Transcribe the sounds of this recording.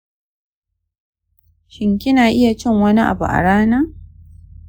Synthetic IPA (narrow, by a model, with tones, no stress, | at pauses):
ʃɪ˨ŋkʲɪ˦naː˨ʔɪ˦ja˨t͡ʃɪ˦˨ŋwɐ˦ni˦ʔa̰˨bṵ˨ʔa̰˨ɽaː˦naː˦